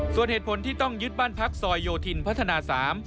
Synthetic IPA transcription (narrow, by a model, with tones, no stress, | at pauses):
su˨˩ənheː˨˩t̪̚pʰo˩˦nt̪ʰiː˥˩t̪ɔ˥˩ŋjɯ˦˥t̪̚baː˥˩npʰa˦˥k̚sɔː˧jːoː˧t̪ʰi˧npʰa˦˥t̪ʰːa˧aː˧saː˩˦m